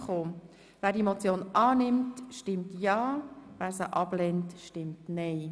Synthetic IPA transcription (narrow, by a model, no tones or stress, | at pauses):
χoː | væːɾdiemot͡sjoːnʔɑːnɪmtʃtɪmtjɑːvæːɾsəʔɑb̥lɛntʃtɪmtnɛɪ